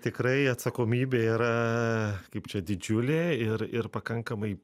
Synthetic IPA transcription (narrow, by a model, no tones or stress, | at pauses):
t̪ekɾejat͡sakomibeɾa | kipd͡ʒad̪id͡ʒuleiɾiɾpakaŋkamaj